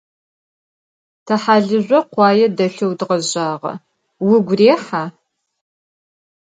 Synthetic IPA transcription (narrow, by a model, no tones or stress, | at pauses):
tʰɐħaːɮɨʑʷɐqʷɑːjɛdɐɬɐwdʁɐʑaːʁɐ̰ | wʊɡʷreːħaː